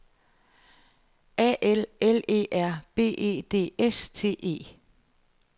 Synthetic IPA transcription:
ʔæʔelele̝̰ːʔæɐ̰b̥e̝̰ːe̝̰ːd̥e̝̰ːest͡sʰe̝̰ːʔe̝̰ː

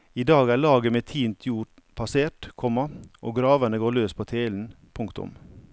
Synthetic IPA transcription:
iːd̪ɑːɡæːɭɑːɡəmeːt̪ʰiːnt̪ʰjuːɾ | pʰɑseːʈkʰɔmɑʔo̰ːɡɾɑːʋənəɡoːɭøːspʰoːt̪ʰeːln̩ | pʰʊŋkt̪ʊ̰m

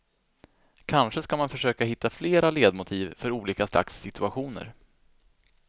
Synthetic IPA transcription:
kʰanʂəskamanfœʂøːkaɦɪt̪ʰːafleːɾaleːd̪mʊt̪ʰiːvfœɾuːliːkasla̰ksːɪt̪ɵaɧuːnə̰ɾ

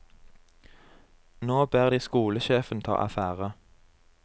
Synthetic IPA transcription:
noːbeːʁd̪iːskuːləʃeːfnt̪ʰɑ̰ːʔæfæːʁə

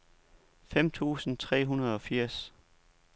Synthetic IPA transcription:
fem̰t͡sʰṵːsn̩t͡sʰʁɛ̰ːɦunɐð̞̩ˠɒ̽fiɐ̰s

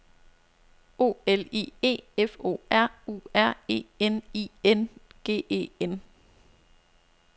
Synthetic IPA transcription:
o̝̰ːelḭːe̝̰ːefo̝̰ːæɐ̰ṵːæɐ̰e̝̰ːeniːenɡ̥e̝̰ːe̝̰ːen

